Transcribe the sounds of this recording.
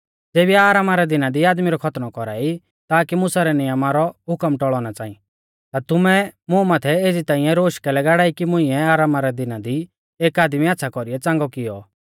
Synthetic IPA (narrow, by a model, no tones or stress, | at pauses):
d͡zeːbiaːɾaːmaɾɛd̪ɪnad̪iaːd̪miɾɔkʰɐt̪nɔkɔɾa̰ːi | t̪aːkimʊsaɾɛnɪjəmaɾɔɦʊkəmʈɔɭɔːñat͡saːḭ̃ | t̪at̪ʊmɛmʊ̃maːt̪ʰɛeːd͡zit̪ãːɪ̃jɛ̃ɾoːʃkɛlɛɡaɽaːikimʊ̃ĩɛaːɾaːmaɾɛd̪ɪnad̪i | eːkaːd̪miatːsʰakɔɾiɛt͡sãːŋɡɔkɪjɔ